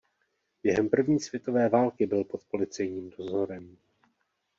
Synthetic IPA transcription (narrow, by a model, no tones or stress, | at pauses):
jɛɦɛmpr̩vɲiːsv̥jɛt̪o̞vɛːvaːlkɪbɪlpo̞t̪po̞lɪt͡sɛjɲiːmdo̞zo̞ɾɛm